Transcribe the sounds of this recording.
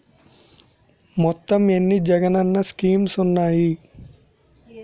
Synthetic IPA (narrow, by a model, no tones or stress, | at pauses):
mɔt̪ːɐmenːid͡ʒɐɡɐnɐnːɐskiːmsunːaːji